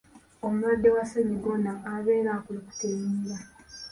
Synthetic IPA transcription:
omuladːe̞waseɲiɡonaːβe̞ːɾakuloku̥temiɾa

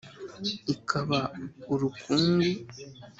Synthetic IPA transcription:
ikʰaβauɾukʰuŋɡi

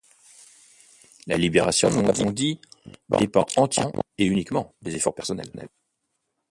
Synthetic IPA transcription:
la̰libeʁasjɔ̃nũlavɔ̃d̪id̪epɑ̰̃ɑ̃t̪jɛ̰̃eynikmɑ̃d̪ezefɔʁpɛʁsɔnɛ̰lɛ̰l

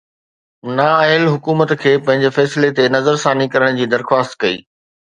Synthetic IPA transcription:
naːaɪlɦʊkuːmət̪kʰeːpɐ̃ɦɪ̃ɲd͡ʑefɛːslet̪enɐzəɾsãːnikɐɾəɽ̃d͡ʑiːd̪ɐɾxwaːst̪̚kɐḭː

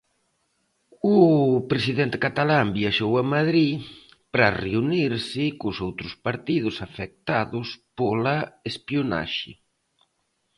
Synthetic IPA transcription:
ʊpɾesiðent̪ɪkat̪alambiaʃowɐmaðɾi | pɾareuniɾsɪkʊsowt̪ɾʊspaɾt̪iðʊsafɛk̚t̪aðʊspolɐespiona̰ʃɪ̰

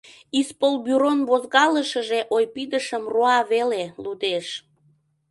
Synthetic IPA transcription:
ispolbyɾonβozɣɑləʃəʒeʔojpid̪əʃəmroɑβelelud̪eʃ

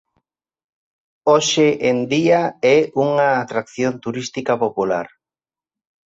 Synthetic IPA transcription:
oʃeʔend̪iaɛuŋaːt̪ɾakθjont̪uɾist̪ikapopula̰ɾ

